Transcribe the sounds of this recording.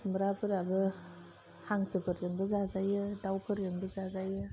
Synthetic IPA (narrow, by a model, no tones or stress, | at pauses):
smbɾapʰɯɾabɯ | haŋsɯpʰɯɾjɯŋbɯzazajɯdawkʰɯɾjɯŋbɯzazajɯ